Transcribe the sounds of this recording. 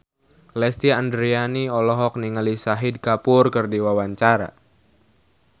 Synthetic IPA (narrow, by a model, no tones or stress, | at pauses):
lɛst̪iandɾianiɔlɔɦɔk̚niŋalisaɦɪd̚kapʊrkɨrdiwawaɲt͡ʃaɾa̰